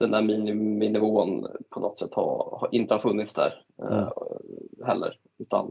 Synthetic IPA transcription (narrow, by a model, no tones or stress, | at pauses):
d̪̥ɛnd̪æːɾminɪmɪnɪmuːnpʰɔnɔt̪sɛt̪ːhɑ̰ɾhɑʔɪnt̪əhɑɾfɵnːɪt̪sd̪æ̰ːɾ | hɛlːə̰ɾ | ʉ̟ːt̪a̰n